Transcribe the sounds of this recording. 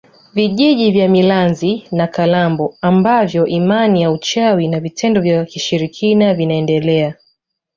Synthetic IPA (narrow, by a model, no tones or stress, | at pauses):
viʄiʄivjamilanzinakalambɔambavjɔʔimanijaut͡ʃawinavitʰɛndɔvjakiʃiɾikʰinavinaɛndɛlɛa